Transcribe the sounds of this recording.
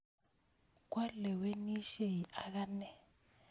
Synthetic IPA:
k̬wa˦lɛ˨we˦ni˦ʃe˨ɦi˨ʔa˦k̬a˦nɛ˨

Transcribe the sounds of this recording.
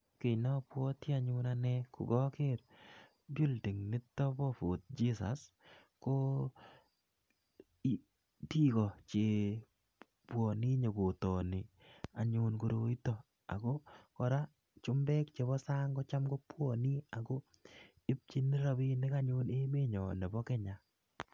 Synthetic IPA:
ke˨nɔ˦pwɔ˦ti˦a˨ɲʊnanɛ˦kʊ̰˨ɡɔ˦ke˦ɾ | bi˦ldi˨ŋnɪ˦tːɔ˦bɔ˦fo˨t̪̚d͡ʒi˦sa̰˨s | ko˦ | ti˦ɡɔ˨t͡ʃe˨ | pwɔ˨ni˦ɲo˨ɡo˨tɔ˨nɪ˨ | a˨ɲʊnko˨ɾo˨i˦tɔ˨ | a̰˨ɡɔ˦kɔ˨ɾa˦ | t͡ʃʊ˦mbɛ˦kt͡ʃe˨βɔ˦sa˦ŋɡɔ˦t͡ʃa˦mɡɔ˦pwɔ˨ni˦a˨ɡo˦ | ɪ˦p̚t͡ʃi˦nɪ˦ɾa˦bi˦nɪ˦ka˦ɲʊ˦ne˦me˦ɲɔ˨nɛ˨bɔ˦kɛ˦ɲa˨

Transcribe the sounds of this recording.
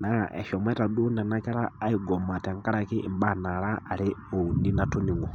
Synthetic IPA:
na˨ɛ̰˨ʃɔ˨mɛ˦ta˨ɗu˦na˨na˦ka˦ɾaː˦i˨ɡɔ˨ma˨tɛ˨ŋ˦ka˦ɾa˨ki˦ʔi˨mba˦na˨laː˦˨li˦u˨ndi˦na˦tu˦ni˨ŋɡɔ˨

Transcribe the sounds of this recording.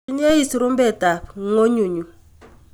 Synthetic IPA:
ɲ˦e˦i˦si˨ɾu˦m˦bɛ˦˨ta˨p̚ŋo˦ɲu˨ɲu˨

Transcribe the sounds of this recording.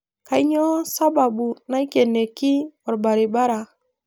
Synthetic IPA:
ka˦jɲo˦sa˦ba˨bu˨na˦jke˨ne˨ki˦o˨ɾba˨ɾi˨ba˦ɾa˨

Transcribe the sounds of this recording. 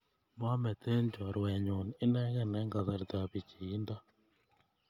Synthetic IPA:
ma˦mɛ˨t̪e˦nd͡ʒwa˨ɾwɛ˨ɲo˨n˨ɪ˦nɛ˦ɣɛ˦˨nɛ˦ŋɡa˨ða˨ɾt̪a˨βi˨t͡ʃi˨i˦nda˦

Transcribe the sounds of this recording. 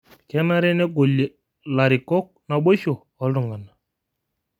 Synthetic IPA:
kɛ˦na˦ɾe˦ne˦ɡo˨lːe˨ | la˨ɾi˨kɔ˦k̚na˨ɓo˦ʃo˨ | ɔ˨˦lɾu˨ŋɡa˨na˨

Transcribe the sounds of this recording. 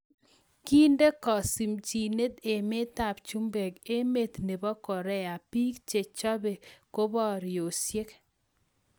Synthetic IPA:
ki˦nde˦kɔ˨si˨mt͡ʃi˨ne˦t̪e˨me˦t̪a˨p̚t͡ʃu˦mbe˨ke˦me˦t̪ne˨bɔ˦kɔ˨ɾɛ˦a˨pi˦kt͡ʃe˨t͡ʃɔ˦be˨ko˦bɔ˦ɾɪ˨o˨sje˦k

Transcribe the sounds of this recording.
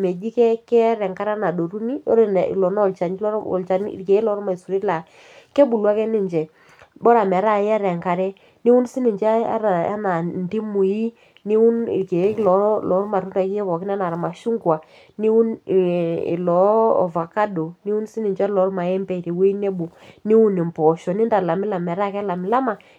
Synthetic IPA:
me˨d͡ʒi˦kɛ˦kɛ˦ɾɛ˨ŋka˦ɾa˦na˨do˨ɾu˦nḭ˦ɾ̰lɔ˨nɔ˦ɔ˨lt͡ʃa˨n˦lɔ̰˨lt͡ʃa˨n̰˦˨ke˨e˦lɔ˨˦ɾma˨i˨su˨ɾi˦la˨ | kɛ˦bu˨lwa˦kɛ˦nɪ˦ɲd͡ʒɛ˨ | bɔ˦ɾa˨mɛ˨˦ɾa˦˨jɛ˦ɾɛ˨ŋka˨ɾɛ˦ | ni˦wu˦n˦si˦ni˨ɲd͡ʒɛ˦a̰˦ɾa˨a̰˦na˨ndi˦mu˨ji˦ | ni˦u˦nḭ˨ke˨˦klɔ˨˦lɔ˨˦ɾma˨ɾu˦nda˨˦ki˦jɛ˦kɔ˨kɪ˦n˦a˦na˨ɾa˨ma˨ʃu˦ŋɡwa˨ | ni˦u˦n˨ | ḭ˨lɔ̰˨˦˨va˨ka˦do˨ni˦u˦n˦si˦ni˨ɲd͡ʒɛ˦lɔ˨˦ɾma˨ɛ˦mpɛ˦˨ɾi˨wi˦ne˦bu˨ni˦wu˦ni˨mpɔ˨ʃɔ˨ni˦nda˨la˨mɪ˦la˨mɛ˨ɾa˦kɛ˦la˨mɪ˨la˦ma˨

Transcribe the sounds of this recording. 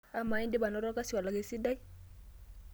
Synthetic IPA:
a˦ma˨i˦ndɪ˦ba˨nɔ˦ɾɔ˦ka˦si˨wa˨la˨ke˨si˦da˦ki˦

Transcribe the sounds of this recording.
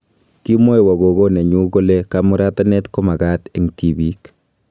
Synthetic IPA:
ki˦mo˦jwa˨ɣo˨ɣo˦ne˨ɲu˦ɡo˦lɛ˦ka˦mu˦ɾa˦ta˦nɛ˦tkɔ˦ma˨ɡa˦te˨ŋti˨bi˦k

